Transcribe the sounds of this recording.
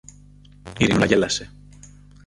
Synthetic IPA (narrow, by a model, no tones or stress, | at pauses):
iɾinulɐʝelɐse